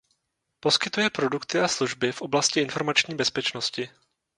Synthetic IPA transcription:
po̞skɪt̪ujɛpɾo̞dukt̪ɪasluʒbɪfʔo̞blascɪʔɪnfo̞ɾmat͡ʃɲiːbɛspɛt͡ʃnoscɪ

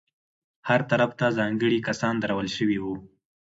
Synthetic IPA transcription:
haɾt̪aɾaft̪azɑŋɡəɽikasɑnd̪aɾawəlʃəwiwu

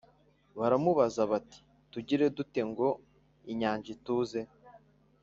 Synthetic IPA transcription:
βaɾamuβazaβati̥ | tuɟiɾe̞dute̞ŋɡo̞ | iɲaːɲʒituːze̞

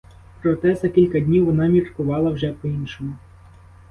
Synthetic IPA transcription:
pɾɔt̪ɛzɐkʲilʲkɐd̪ʲnʲiwʋɔnɑmʲirkʊʋɑlˠɐwʒɛpɔinʃɔmʊ

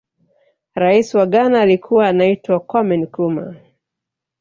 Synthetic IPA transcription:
ɾaisiwaɠanaːlikʰuwaːnaitwakɔmɛnkuma̰

